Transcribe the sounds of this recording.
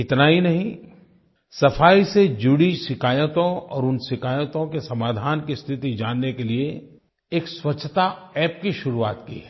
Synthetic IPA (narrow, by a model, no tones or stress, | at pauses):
ɪt̪naɦinɐɦĩ | sɐfʰaːised͡ʒʊɽisɪkʰaːjt̪õɔ̰ːɾʊnsɪkaːjət̪õkesɐmaːd̪ʱaːnkist̪ʰɪt̪id͡ʒaːnːekelie | eːkswɐtːt͡ʃʰːt̪aɛːp̚kiʃʊɾua̰ːt̪kḭɦɛː